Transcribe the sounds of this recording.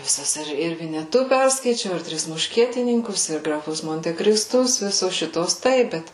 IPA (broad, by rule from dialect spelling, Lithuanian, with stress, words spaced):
ʋʲɪˈsɐs ɪr ʋʲɪnʲɛˈtʊ ˈpʲɛrskɐɪt͡ʃʲɛʊ ɪr ˈtʲrʲɪs mʊʃʲˈkʲiɛtʲɪnʲɪŋkʊs ɪr ɡrɐˈfʊs moːnʲtʲɛkrʲɪsˈtʊs ˈʋʲɪsoːs ˈʃʲɪtuɔs ˈtɐɪp ˈbʲɛt